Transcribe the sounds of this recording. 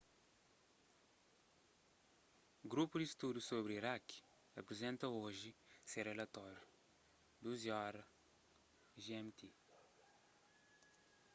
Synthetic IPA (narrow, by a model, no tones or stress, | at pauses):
ɡɾupud̪ist̪ud̪usoβɾiɾak | ɐpɾizẽnt̪ɐoʒiserelɐt̪ɔɾju | d̪uziɔɾɐ | ʒɛmt̪e